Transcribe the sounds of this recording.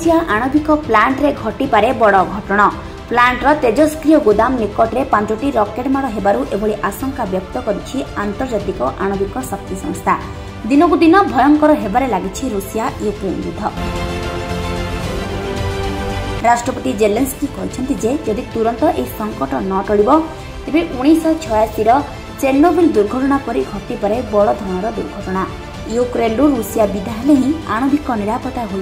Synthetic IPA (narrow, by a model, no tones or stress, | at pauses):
sijaʔaɽ̃ɔbikɔplaɳʈɾeɡʱɔʈipaɾebɔɽɔɡʱɔʈɔɽ̃ɔ | plaɳʈɾɔt̪ed͡ʒɔskɾijɔɡod̪amnikɔʈɾepat͡ʃɔʈiɾɔkeʈmaɽɔɦebaɾuʔebɔɭiʔasɔŋkabjɔk̚t̪ɔkɔɾit͡ʃʰiant̪ɔɾd͡ʒat̪ikɔʔaɽ̃ɔbikɔsɔk̚t̪isɔŋst̪ʰa | d̪inɔkud̪inɔbʱɔjɔŋkɔɾɔɦebaɾelaɡit͡ʃʰiɾusijaepɾend͡ʒud̪ʱɔ | ɾasʈɾɔpɔt̪id͡ʒelenskikɔɦit͡ʃʰɔnt̪id͡ʒed͡ʒɔd̪it̪uɾɔnt̪ɔʔeɦisɔŋkɔʈɔnɔʈɔɽibɔ | t̪ebeʔuɽ̃isɔt͡ʃʰɔjasiɾɔ | t͡ʃeɾnobild̪uɾɡʱɔʈɔɽ̃apɔɾiɡʰʱɔt̪ipɔɾebɔɭɔd̪ʱɔɽ̃ɔɾɔd̪uɾɡʱɔʈɔɽ̃a | jukɾenɾuɾusijabid̪ʱaɦeleɦĩaɽ̃obikɔniɾapɔt̪aɦol